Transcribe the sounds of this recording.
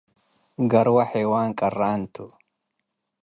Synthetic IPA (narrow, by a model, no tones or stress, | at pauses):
ɡɐɾwɐħɛːwaːŋkʼɐrːaːnt̪ʊ